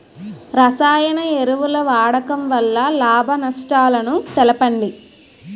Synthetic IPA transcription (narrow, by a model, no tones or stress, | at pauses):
ɾɐsaːjɐnɐeɾuʋulɐʋaːɽɐkɐmʋɐlːɐlaːbʱɐnɐʂʈaːlɐnut̪ɛlɐpɐɳɖi